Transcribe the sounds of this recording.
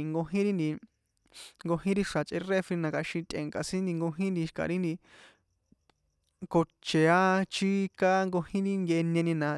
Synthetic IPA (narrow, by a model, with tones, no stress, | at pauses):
ŋɡo˧ɦĩ˦ɾi˦nd̪i˧ | ŋɡo˧hĩ˦ɾi˧ʂa˨t͡ʃʼʔḛ˧re˦fɾi˧nã˧ka˧ʃĩ˧t̪ʲʼʔẽ˨ŋka˨sĩ˦nd̪i˧ŋɡo˧ɦĩ˦nd̪i˧ʃka̰˨ɾi˦nd̪i˧ | ko˧t͡ʃe˨a˦t͡ʃi˦ka˦ŋɡo˧hĩ˦ɾi˦ŋɡʲe˧ʔe˧nẽ˧nĩ˧nã˧